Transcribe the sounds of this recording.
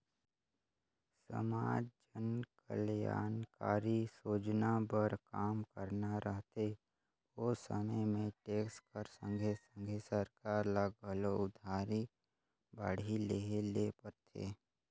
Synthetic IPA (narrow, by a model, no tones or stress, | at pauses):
sə̰maːd͡ʒd͡ʒənkə̰lja̰ːnkaːɾisoːd͡ʒnabəɾkaːmkəɾnaɾʔəɦt̪e | oːsə̰məmẽʈeːkskəɾsə̰̃ŋɡʱesə̃ŋɡʱesəɾkaːɾlaɡəloʊd̪ʱaːɾi | baːɽileːɦelepəɾt̪ʰḛː